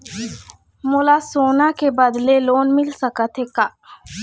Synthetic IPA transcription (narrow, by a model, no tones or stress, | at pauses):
molaːsoːnakebəd̪leloːnmɪlsəkət̪ʰɦeːkaː